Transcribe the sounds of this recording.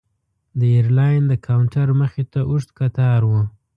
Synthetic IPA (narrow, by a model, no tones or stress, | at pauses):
d̪əeɾlɑjnd̪əkʰawɳʈaɾməxet̪aʔuʂt̪kat̪ɑɾwu